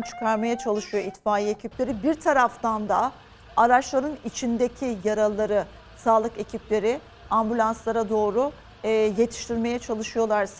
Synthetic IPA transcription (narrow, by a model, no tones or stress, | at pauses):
t͡ʃʰɯ̥kʰaɾmajat͡ʃʰalˠɯʃɯjo̞it̪faːjiecʰiplʲe̞ɾibiɾt̪ʰaɾaft̪and̪a | aɾat͡ʃlˠaɾɯnit͡ʃʰind̪e̞cʰijaɾalˠːaɾɯ | saːlˠɯke̞cʰiplʲe̞ɾɪ | ambylʲˠanslˠaɾad̪o̞ːɾuː | je̞t̪ʰi̥ʃt̪ʰiɾme̞jɛt͡ʃʰalˠɯʃɯjo̞lˠaɾs